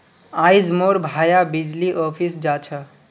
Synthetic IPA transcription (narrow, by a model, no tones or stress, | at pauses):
ajd͡ʒmoɾbʱajabid͡ʒliʔɔpʰisd͡ʒat͡ʃʰə